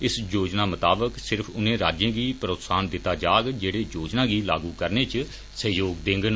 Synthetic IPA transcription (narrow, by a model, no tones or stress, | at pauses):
ɪsd͡ʒoːd͡ʒnaːmət̪aːbəksɪɾpʰʊnẽːɾaːd͡ʒãːɡiːpəɾoːt̪saːnd̪ɪt̪ːaːd͡ʒaːɡd͡ʒeːɽeːd͡ʒoːd͡ʒnãːɡiːla̰ːɡuːkəɾneːt͡ʃ | səjoːɡd̪ɪŋɡn